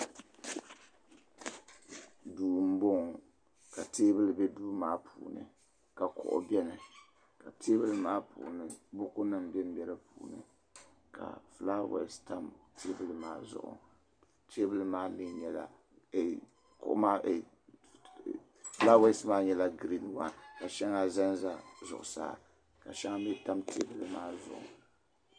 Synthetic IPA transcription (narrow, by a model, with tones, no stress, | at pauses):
duː˨m̩˦bo˦ŋ | ka˨teː˦bɨ˦lɨ˨bɛ˦duː˦maː˦pʰuː˨nɨ̰˨ | ka˨kʊ̰˨ʔʊ̰˨bɛ˦nɨ˨ | ka˨tʰeː˦bɨ˦lɨ˦maː˦pṵː˨nɨ˦bʊ˦kʊ˦na˦m˨bɛ˦m˦bɛ˦lɨ˦pʰuː˨nɨ̰˨ | kʰa̰˨fla˦wɛ̰˨sta˦mtʰe˦bɨ˨lɨ˨maː˦zʊ̰˦ʔʊ̰˨ | te˦bɨ˦lɨ˦maː˦nɨ˦ɲɛ˦la̰˨ | kʊ̰˦ʔma˦˨ | fla˦we˦smaː˦ɲɛ˦la˦ɡɾi˦nwa̰˨nka˨ʃɛ˦ŋa˦za˦nza˦zʊ̰˨ʔʊ̰˨sa̰ː˦˨ | ka˨ʃɛ˦ŋa˦bɛ˦ta˦mtʰḛ˦bɨ˨lɨ˦maː˦zʊ̰˨ʔʊ̰˨